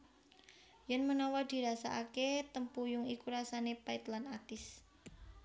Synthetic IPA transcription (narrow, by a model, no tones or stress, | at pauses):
jənmənɔwɔd̪̥i̤ɾasa̰ʔaket̪əmpujʊŋikuɾasanepaɪt̪lanat̪ɪs